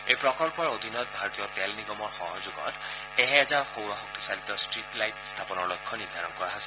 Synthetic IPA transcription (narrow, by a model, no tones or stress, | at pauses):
ejpɹɔkɔlpɔɹod̪ʱinɔt̚bʱaɹɔt̪ijɔtɛlniɡɔmɔɹxɔɦɔzuɡɔ̰t | ɛɦɛɛzaɹxowɹɔxɔk̚t̪i̥salit̪ɔstɹitlajtst̪ʰapɔnɔɹlɔjkʰːɔniɹd̪ʱaɹɔnkɔɹaɦasɛ